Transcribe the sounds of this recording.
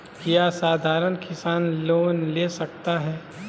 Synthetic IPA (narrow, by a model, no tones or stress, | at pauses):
kijasaːd̪ʱaːɾənkɪsaːnloːnleːsɐk̚t̪aɦɛː